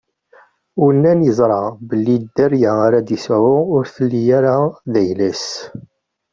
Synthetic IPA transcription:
wnːænjəzˤɾˤɑbəlːid̪ːæɾjaaɾad̪isʕʊʊɾθəlːijaɾaðæjlæs

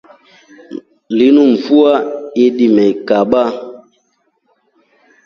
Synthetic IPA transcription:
linum̩fuaiɗimɛikaɓa

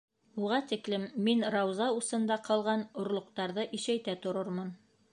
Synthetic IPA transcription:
uʁɑt̪iklɘmːinɾɑwzɑusɤ̆nd̪ɑqɑlˠʁɑnŏɾlˠŏqt̪ɑɾðɤʔiʃæjt̪æt̪ŏɾɤɾmɤn

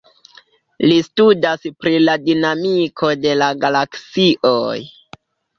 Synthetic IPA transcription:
listudaspɾiladinamikʰo̞de̞laɡalaksiʔoj

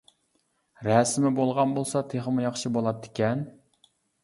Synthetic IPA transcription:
ɾɛsmɪbolˠʁɑnbolˠsɑt̪ʰeχəmʊjɑχʃibolˠɑt̪ʰːɪ̥kʲɛn

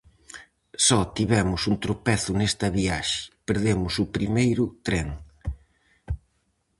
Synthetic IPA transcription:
sɔt̪iβɛmʊsunt̪ɾopɛθʊnest̪ɐβiaʃɪ̥peɾðemʊsʊpɾimejɾʊt̪ɾɛŋ

